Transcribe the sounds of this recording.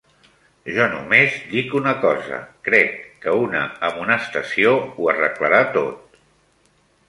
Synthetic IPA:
ʒɔnṵmezd̪ikunəkɔzə̰kɾɛkːəunə̰əmunəːst̪əsiouərə̰kləɾat̪ot̪̚

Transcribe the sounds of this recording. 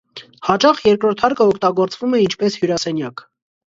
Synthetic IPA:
hɑt͡ʃɑχjɛɾkɾɔɾt̪ʰɑɾkəɔkʰt̪ɑɡɔɾt͡svumɛint͡ʃʰpɛshjuɾɑsɛnjɑk

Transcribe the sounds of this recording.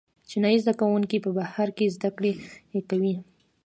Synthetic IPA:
t͡ʃɪnɑjizd̪akawuŋkipəbahaɾkezd̪akɽeekawi

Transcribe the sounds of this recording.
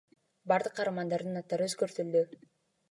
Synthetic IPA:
bɑɾd̪ɯqːɑɾɑmɑnd̪ɑɾd̪ɯnɑt̪ːɑɾɯøzɡøɾt̪yld̪y

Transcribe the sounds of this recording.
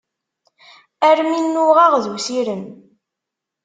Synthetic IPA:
æɾminːʊʁɑʁðwsiɾən

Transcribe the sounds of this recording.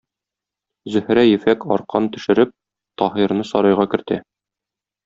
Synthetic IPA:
zɵ̆hɾæjɘ̆fækɒ̰ɾqɑnt̪ɵ̆ʃɘ̆ɾɘp̚ | t̪ɒɦiɾnɤsɒɾɑjʁɑkɘ̆ɾt̪æ

